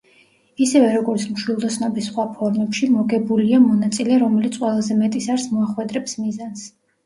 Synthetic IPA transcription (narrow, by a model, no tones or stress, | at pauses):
isɛvɛɾɔɡɔɾt̪sʰmʃwilˠd̪ɔsnɔbisχwapʰɔɾmɛpʃimɔɡɛbuliamɔnat̪sʼilɛaɾɔmɛlit̪sʰʼqʼwɛlˠazɛmɛt̪ʼisaɾsmɔaχwɛd̪ɾɛpsmizans